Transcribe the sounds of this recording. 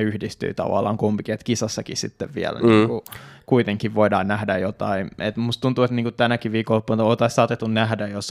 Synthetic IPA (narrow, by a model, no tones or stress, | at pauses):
yhdist̪y̰it̪ɑ̰ʋɑ̰lːˑɑ̰ːŋkumpikiet̪kisɑsːɑkisḭt̪ːeʋʋiæ̰lniːŋkukuit̪eŋkiʋʋoidɑːnnæhdæjot̪ɑ̰inet̪must̪unt̪uːet̪niːŋkut̪ænækiʋʋiːkolːopːonoːt̪ɑisɑːt̪et̪ːunnæhdæjos